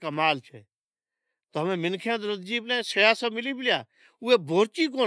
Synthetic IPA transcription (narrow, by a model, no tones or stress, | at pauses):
kəmaːlt͡ʃʰɛː | t̪oːɦəmẽːmɪnkʰãːt̪ːɾəd̪̚d͡ʒiːblɛ̃ːsəjaːsəːmɪliːbɪljaː | ʊeːbʱoːɾt͡ʃiːk̬oː